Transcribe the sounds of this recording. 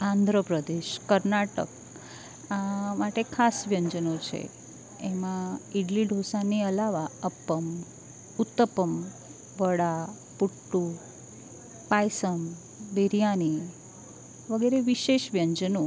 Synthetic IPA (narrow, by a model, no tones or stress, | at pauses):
ãnd̪ʱɾəpɾəd̪eʃkəɾnaʈə̰k | amaʈekʰasʋjəɲd͡ʒənot͡ʃʰḛ | emãiɽliɖʱosaniəlaʋaəpːəm | ut̪ːəpəm | ʋəɽa | puʈːu | pajsəm | beɾijani | ʋəɡɛɾeʋiʃeʃʋjəɲd͡ʒəno